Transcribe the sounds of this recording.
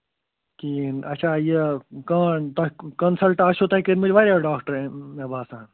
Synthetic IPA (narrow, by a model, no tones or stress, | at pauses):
kiɐt͡ʃʰaːjekaːt̪okɐnsɐlʈaːʃot̪oːikeɾmʊd͡ʒʋaːɾʲaɖaːkʈəɾẽmeːbaːsãːn